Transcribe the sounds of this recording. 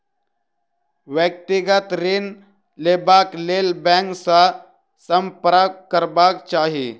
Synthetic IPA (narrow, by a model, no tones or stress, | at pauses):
ʋjək̚t̪ɪɡət̪ɾɪn | leːbaːkleːlbɛ̃ːŋksa | sə̃mpɾakkəɾbaːkt͡ʃaːɦiḛː